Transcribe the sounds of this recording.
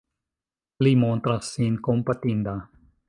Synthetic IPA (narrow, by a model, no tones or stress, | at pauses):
limõnt̪ɾasinkompat̪ĩnd̪a